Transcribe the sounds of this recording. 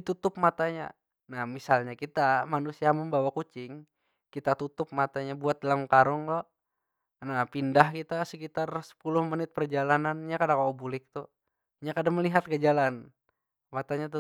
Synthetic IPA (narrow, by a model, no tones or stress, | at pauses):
dit̪ut̪ʊp̚mat̪aɲa̰ | nahmisalɲakit̪amanusiaməmbawakut͡ʃɪŋ | kit̪at̪ut̪ʊp̚mat̪aɲabuat̪̚dalamkaɾɔŋlɔ | napindahkit̪asəkit̪arsə̥pulʊhmənɪt̪̚pərd͡ʒalananɲakadaŋkaobulɪk̚t̪u | ɲakadaŋməliɦat̪̚kəd͡ʒalan | mat̪aɲat̪u